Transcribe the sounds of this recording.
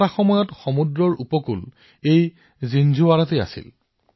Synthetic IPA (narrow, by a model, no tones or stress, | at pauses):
axɔmɔjɔtxɔmudɹɔɹupɔkṵl | ej | zind͡ʒʱuaɹatea̰sḭl